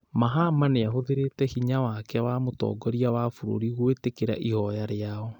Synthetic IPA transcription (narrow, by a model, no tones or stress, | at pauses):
maɦamaneahoðeɾetɛhiɲawakɛwamotɔ̰ːɡɔɾiawafoɾo̰ɾiɣwetekeɾa̰ʔihɔjaɾeaɔ